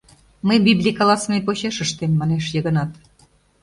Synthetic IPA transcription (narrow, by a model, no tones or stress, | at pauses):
məjbʲiblʲikɑlˠɑsnejpoɕeʃə̆ʃt̪emːɑneʃjɤ̆ɣə̆nɑt̪